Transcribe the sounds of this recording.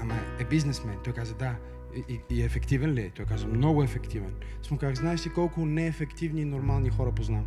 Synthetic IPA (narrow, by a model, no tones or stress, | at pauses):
ɐmɐebiznesmɐnt̪oekazed̪a | iefekt̪ivenlejt̪oekazumnoɣoefekt̪iven | smukaɣznasikolkuneːfekt̪ivɲinoɾmalɲixoɾɐpuznan